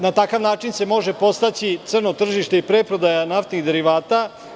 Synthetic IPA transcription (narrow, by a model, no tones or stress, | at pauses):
nat̪akaʋnaːt͡ʂinse̞mo̞ʒe̞po̞st̪at͡ɕit̪sr̩no̞t̪r̩ʒiʃt̪eipɾepɾo̞d̪ajanaft̪niɣd̪e̞ɾiʋaːt̪a